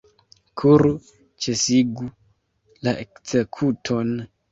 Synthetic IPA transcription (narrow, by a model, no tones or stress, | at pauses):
kʰuɾu | t͡ʃesiɡu | laʔekz̥ekʰutʰo̞n